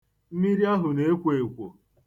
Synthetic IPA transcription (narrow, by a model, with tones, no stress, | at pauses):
m̩˦mi˦ɾi˦a˦ɦʊ˨ne˨e˦kʷe˨e˨kʷo˨